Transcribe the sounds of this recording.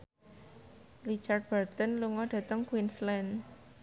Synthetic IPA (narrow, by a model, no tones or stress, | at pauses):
lit͡ʃart̪̚b̥ərt̪ənluŋɔɖ̥ä̤t̪əŋkwinslɛn